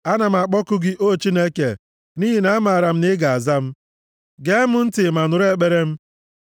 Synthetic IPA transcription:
a˦na˨m̩˨a˨k͡pɔ˦kʊ˦ɡɪ˦ʔo˦˨t͡ʃi˦ne˦ke˨ | ni˦ɦi˨na˦a˦ma˨a˨ɾa˨m̩˦nɪ˦ɡa˨a˨za˦m̩˦ | ɡe˦mʊ˨n̩˦tɪ˨ma˨nʊ˨ɾe˦˨k͡pe˦ɾe˦m̩˦

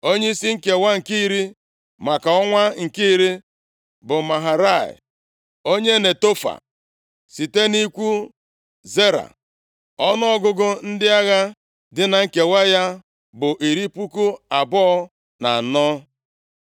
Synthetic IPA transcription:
o˦ɲe˦i˦si˦ŋ̩˦ke˨wa˦ŋ̩˨ki˦i˦ɾi˦ | ma˨ka˨ɔ˦ŋʷa˦ŋ̩˨ki˦i˦ɾi˦ | bʊ˨ma˨ɦa˨ɾa˦˨ɪ̰˨ | o˦ɲe˦ne˨to˦fa̰˨ | si˨te˦ni˦kʷu˦ | ze˦ɾa̰˨ | ɔ˦nɔ˦ɔ˦ɡʊ˦ɡʊ˦n̩˦dɪ˦a˦ɣa˦ | dɪ˦na˨ŋ̩˦ke˨wa˦ja˦ | bʊ˨ʔi˨ɾi˦pu˦ku˦a˨bɔ˦ɔ˦ | na̰˨nɔ˦

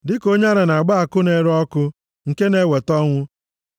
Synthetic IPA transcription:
dɪ˦ko˦ɲa˦ɾɪ˨na˨ɡ͡ba˦a˨kʊ˦ne˨ɾɔ˦kʊ˦ | ŋ̩˨ke˦ne˦˨we˨tɔ˦ŋʷʊ˦

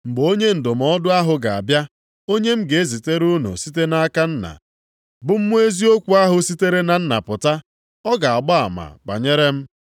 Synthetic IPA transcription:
ŋ͡m̩˨ɡ͡bo˦ɲe˦n̩˨dʊ˨m̩˨ɔ˦dʊ˦a˦ɦʊ˨ɡa˨a̰˨bja˦ | o˦ɲe˦m̩˦ɡe˨e˦zi˨te˦ɾu˦no̰˨si˦t̬e˦na˦ka˦n̩˦na̰˨ | bʊ˦m̩˦mʷu˦e˦zi˦o˦kʷu˨a˦ɦʊ˨si˦te˦ɾe˦na˨n̩˦na̰˨pʊ˨ta˦ | ɔ˦ɡa˨a˨ɡ͡ba˦a̰˨ma̰˨k͡pa̰˨ɲe˦ɾe˦m̩˦

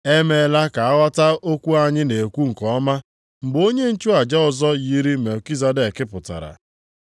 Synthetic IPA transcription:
e˦me˨˦la˦ka˨a˦ɣʷa˦ta˦o˦kʷu˦a˦ɲɪ˦ne˨kʷu˦ŋ̩˨kɔ˨ɔ˦ma˦ | m̩˨bo˦ɲe˦n̩˦t͡ʃu˦a˨d͡ʒa˦ʊ˨zɔ˦ji˦ɾi˦me˨ki˦za˨de˨kɪ˦pʊ˨ta̰˨ɾa̰˨

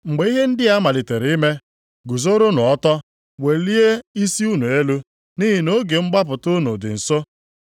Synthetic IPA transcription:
ŋ͡m̩˨ɡ͡be˨˦i˦ɦe˦n̩˦dɪ˦a˦ma˨lɪ˨te˨ɾi˦me˦ | ɡu˨zo˦ɾo˦nʊ˨ɔ˦tɔ˦ | we˨li˦e˦i˦si˦u˦nu˨e˦lu˦ | ni˦ɦi˨no˦ɡe˨ŋ͡m̩˦ɡ͡ba˦p̬ʊ˨tʊ˦nṵ˨dɪ̰˨n̩˨so˦

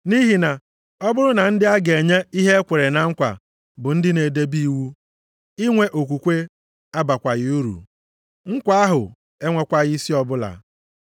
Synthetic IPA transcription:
ni˦ɦi˨na˨ | ɔ˦bʊ˦ɾʊ˦na˨n̩˦dɪ˦a˦ɡe˨ɲe˦i˦ɦe˦kʷe˨ɾe˨na˨ŋ̩˦kʷa̰˨ | bʊ˨n̩˦dɪ˦ne˨de˦bi˦wu˦ | i˦ŋʷe˦ʔo˨k̬ʷu˨kʷe˦ | a˦ba˨kʷa˨ɣɪ˨˦u˦ɾṵ˨ | ŋ̩˦kʷa˦a˦ɦʊ˨ | e˦ŋʷe˨kʷa˦ɣi˦si˦ɔ˨bʊ˦la̰˨

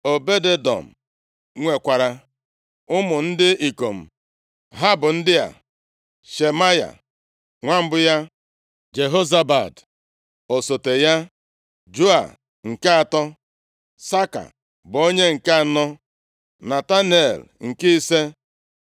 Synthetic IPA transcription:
o˨be˦de˦dɔ̰˨m̩˨ | ŋʷe˨kʷa˨ɾa˨ | ʊ˦mʊ˨n̩˦dɪ˦i˨ko˨m̩˨ | ɦa˦bʊ˨n̩˦dɪ˦a̰˨ | ʃe˨ma˦ja̰˨ | ŋʷa˦m̩˦bʊ˦ja˦ | d͡ʒe˨ɦo˦za˦ba˨d | o˨so˨te˨ja˦ | d͡ʒu˦a̰˨ | ŋ̩˨ke˦a˨tɔ˦ | sa˦ka̰˨ | bʊ˨o˦ɲe˦ŋ̩˨ke˦a˨nɔ˦ | na˨ta˦n˨e˨lŋ̩˨ki˦i˦se˦

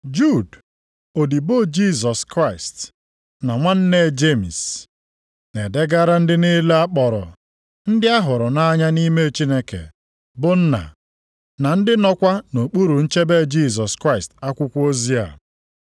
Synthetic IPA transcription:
d͡ʒu˦˨d | o˨di˨bo˦d͡ʒi˦˨s̬ɔ˨skɾa˦ɪ˨st | na˨ŋʷa˦n̩˦ne˦˨d͡ʒe˦mi˨s | ne˨de˦ɡa˦ɾa˦n̩˦dɪ˦ne˦le˦a˦k͡pɔ˨ɾɔ̰˨ | n̩˦dɪ˦a˦ɦʊ˨ɾʊ˨na˦ɲa˦ni˦me˦t͡ʃi˦ne˦kḛ˨ | bʊ˨n̩˦na̰˨ | na˨n̩˦dɪ˦nɔ˦kʷa˦no˨k͡pu˦ɾu˨n̩˦t͡ʃe˦be˦d͡ʒi˦˨s̬ɔ˨skɾa˦˨ɪ˨sta˦kʷʊ˦kʷo˦zi˦a̰˨

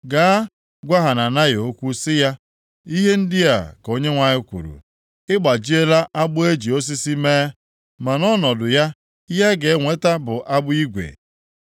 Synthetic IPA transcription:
ɡa˨˦ | ɡʷa˦ɦa˨na˨na˦jo˦kʷu˦sɪ˦ja˦ | i˦ɦe˦n̩˦dɪ˦ja̰˨ko˦ɲe˦ŋʷa˨ɲɪ˦kʷṵ˨ɾṵ˨ | ɪ˦ɡ͡ba˨d͡ʒi˦e˦la˦ʔa˦ɡ͡bʊ˦e˦d͡ʒi˨o˦s̬i˦si˦meː˦ | ma˨nɔ˦nɔ˨dʊ˨ja˦ | ja˦ɡe˨˦ŋʷe˦ta˦bʊ˨ʔa˦bʊ˦i˦ɡʷḛ˨

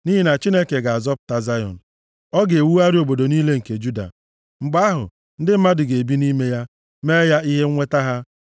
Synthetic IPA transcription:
ni˦ɦi˨na˨t͡ʃi˦ne˦ke˨ɡa˨a˨zɔ˦p̚ta˨za˦jɔ̰˨n̩˨ | ɔ˦ɡe˨wu˦a˦ɾɪ˦o˨bo˨do˨ni˦le˦ŋ̩˨ke˨d͡ʒu˦da̰˨ | ŋ͡m̩˨ɡ͡ba˦a˦ɦʊ̰˨ | n̩˦dɪ˦m̩˦ma˦dɪ˨ɡe˨e˨bi˦ni˦me˦ja˦ | me˦ja˦i˦ɦe˦ŋʷe˦ta˦ɦa˦

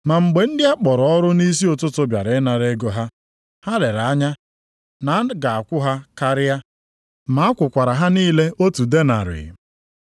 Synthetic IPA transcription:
ma˨ŋ͡m̩˨ɡ͡be˨n̩˦dɪ˦a˦k͡pɔ˨ɾɔ˦ɾʊ˦ni˦s̬i˦o˨tʊ˦tʊ˦bja̰˨ɾɪ˨˦na˨ɾe˦ɡo˨ɦa˦ | ha˦le˨ɾa˦ɲa˦ | na˨˦ɡa˨a˨kʷʊ˦ɦa˦ka˦ɾɪ˦a˦ | ma˨˦a˦kʷʊ˨kʷa˨ɾa˨ɦa˦niː˦le˦o˦tu˨de˦na̰˨ɾɪ̰˨

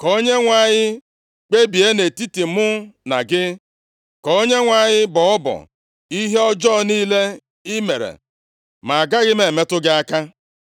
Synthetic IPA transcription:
ko˦ɲe˦ŋʷa˦˨ɲɪ˦ | k͡pe˦bi˨e˦ne˨ti˦ti˨˦mʊ˦na̰˨ɡɪ˦ | kɔ˨˦ɲe˦ŋʷa˦˨ɲɪ˦bɔ˨ɔ˦bɔ̰˨ | i˦ɦe˦ɔ˦d͡ʒɔː˦˨niː˦le˦ | i˦me˨ɾḛ˨ | ma˨a˨ɡa˦ɣɪ˦me˨me˦tʊ˦ɡɪ˦a˦ka˦

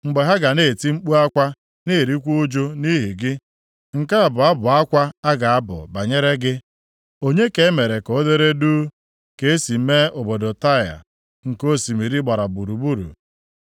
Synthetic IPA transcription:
ŋ͡m̩˨ɡ͡be˨ɦa˦ɡa˨ne˦˨ti˦ŋ͡m̩˦k͡pu˦a˦kʷa˦ | ne˦˨ɾi˦kʷu˦u˦d͡ʒo˦ni˦ɦi˨ɡɪ˦ | ŋ̩˨ka˦a˨bʊ˨a˦bʊ˨a˦kʷa˦a˦ɡa˨a˦bʊ̰˨ba˨ɲe˦ɾe˦ɡɪ˦ | o˦ɲe˦ke˨˦me˨ɾe˨ko˨˦de˦ɾe˦du˦ | ke˨e˦si˨˦me˦ʊ˨bo˨do˨ta˦˨ja̰˨ | ŋ̩˨ko˦si˨mi˨ɾi˦ɡ͡ba˨ɾa˨bu˨ɾu˨bu˦ɾṵ˨

